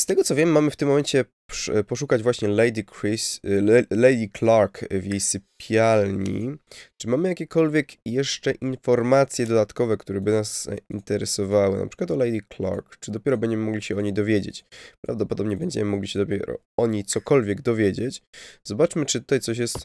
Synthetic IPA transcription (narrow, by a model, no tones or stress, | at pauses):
st̪ɛɡɔt̪sɔvjɛmːamɘft̪ɘmːɔmɛɲt͡ɕɛ | pʂpɔʂ̬ukad͡ʑvwaɕɲɛlɛjd̪ʲikɾis | lɛjd̪ʲiklaɾkvjejsɘpʲʰjalɲḭt͡ʂɘmamɘjakʲɛkɔlvʲjɛkjɛʂt͡ʂɛʔinfɔɾmat̪sʲjɛd̪ɔd̪at̪kɔvɛkt̪uɾɛbɘnasint̪ɛɾɛsɔvawɘ̰na̰pʂkwat̪ɔlɛjd̪ʲikla̰ɾkt͡ʂɨd̪ɔpʲjɛɾɔbɛɲd͡ʑɛmɘmɔɡlʲiɕɛɔɲejd̪ɔvʲjed͡ʑḛt͡ɕpɾa̰vd̪ɔpɔd̪ɔbɲɛbɛɲd͡ʑɛ̰mɘmɔɡlʲiɕɛd̪ɔpʲjɛ̰ɾɔ̰ | ɔɲejt̪sɔkɔlvʲjɛɡd̪ɔvʲjed͡ʑet͡ɕz̥ɔbat͡ʂmɘt͡ʂɨt̪ut̪ajt̪sɔɕ̬jɛst̪